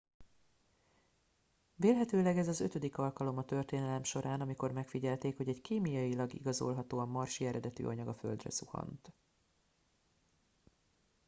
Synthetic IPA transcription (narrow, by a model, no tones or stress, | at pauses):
veːlɦɛt̪øːlɛɡɛzɒzøt̪ød̪ikɒlkɒlo̞mɒt̪ø̞rt̪eːnɛlɛmʃo̞ɾʔaːnɒmiko̞rmɛkfiɟɛlt̪eːkho̞ɟɛɟkiːmijɒjilɒɡḭɡɒzo̞̰lɦɒt̪oːɒmːɒrʃiɛɾɛd̪ɛt̪y̰ʔɒɲɒɡɒfø̞̰ld̪rɛ̰suhɒ̰nt̪